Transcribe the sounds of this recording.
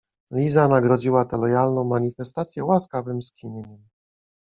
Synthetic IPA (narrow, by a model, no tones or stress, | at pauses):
lʲizanaɡɾɔd͡ʑiwat̪ɛlɔjalnɔ̃w̃maɲifɛst̪at̪sʲjɛwaskavɘmskʲinʲiɲɛm